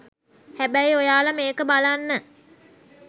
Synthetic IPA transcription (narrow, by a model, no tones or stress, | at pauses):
hæbæjojaːləmeːkəbalanːə